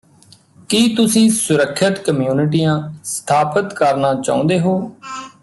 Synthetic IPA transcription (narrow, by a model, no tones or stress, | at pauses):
kiːt̪ʊsĩːsʊɾəkʰːɪt̪kəmjuːnɪʈ̬iːãːst̪ʰaːpət̪kəɾnaːt͡ʃa̰ːʊ̃nd̪eːɦoː